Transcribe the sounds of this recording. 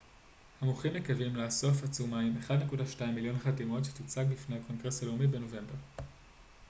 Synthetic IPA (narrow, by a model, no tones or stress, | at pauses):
hamuχimːekavimlaːso̞fat͡sumaimeχadne̞kudaʃtaimːiljo̞nχadimo̞tʃe̥tut͡saɡlifne̞jhako̞nɡʁe̞shale̞umibeno̞ve̞mbe̞ʁ